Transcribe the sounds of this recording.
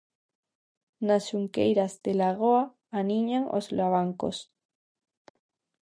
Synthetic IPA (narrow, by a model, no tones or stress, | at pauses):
nasʃuŋkḛjɾazðelaɣoaː | niɲaŋʔo̰zlaβ̞aŋko̰s